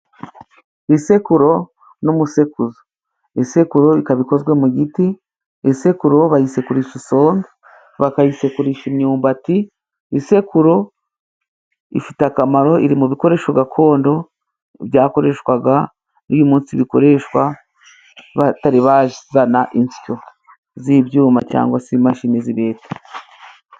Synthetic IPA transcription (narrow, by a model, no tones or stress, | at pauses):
ise̞kuɾo̞ | numuse̞kuzo | isekuɾo̞ikaβiko̞zɡwe̞muɟiti | ise̞kuɾo̞βajise̞kuɾiʃiso̞ːŋɡi | βakajise̞kuɾiʃimɲuːmbati | ise̞kuɾo̞ | ḭfitakamaɾo̞iɾimuβiko̞ɾe̞ːʃoɡakʰo̞ːndo̞ | βjaːko̞ɾe̞ʃwaɡa | nujumuːnsiβiko̞̰ɾe̞ʃwa | βataɾiβaʒzanaʔinsi̥t͡ʃo̞ | zibjuːma̰t͡ʃa̰ːŋɡwasimaʃiniziβeːte̥